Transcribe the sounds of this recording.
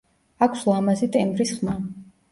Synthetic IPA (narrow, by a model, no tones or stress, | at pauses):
akʷʰslˠamazit̪ʼɛmbɾisχma